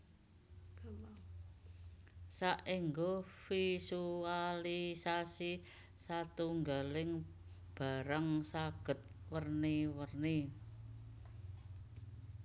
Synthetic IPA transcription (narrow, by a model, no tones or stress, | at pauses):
saʔiŋɡofisualisasi | sat̪uŋɡalɪŋ | b̥a̤ɾəŋsaɡ̥ə̤t̪̚ | wərniwərni